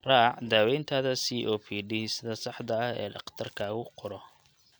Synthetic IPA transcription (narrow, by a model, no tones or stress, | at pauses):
raːʕd̪aːwɛjnt̪ʰaːðɐsiːʔɔːpʰiːɖisɪðɐsɑħd̪ɐɐhɛ̰ːɖɑ̰qt̪ʰɐrkʰaːɣʊqʰʊɾɔ